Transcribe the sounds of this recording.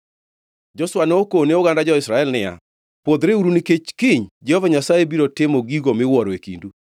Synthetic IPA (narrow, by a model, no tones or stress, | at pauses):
d͡ʒɔswanɔokoneoɡandad͡ʒɔɪsɾaɛlnɪa̰ | pwod̪ɾeuɾuniket͡ʃkɪɲd͡ʒɛhɔvaɲasajebiɾotɪmoɡiɡomɪwɔɾɔekḭndu